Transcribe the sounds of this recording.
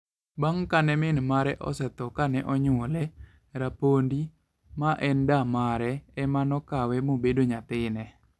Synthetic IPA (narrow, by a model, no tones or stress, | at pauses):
baŋkanɛmɪnmaɾɛʔɔ̰sɛt̪ɔkanɛʔɔɲwɔlɛ | ɾapondi | maʔɛndamaɾɛɛmanɔkawɛmobedoɲat̪ɪnɛ